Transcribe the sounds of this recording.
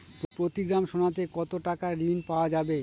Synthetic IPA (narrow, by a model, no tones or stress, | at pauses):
pɾot̪iɡɾamʃonat̪̬ekɔt̪oʈakaɾinpaoad͡ʑabe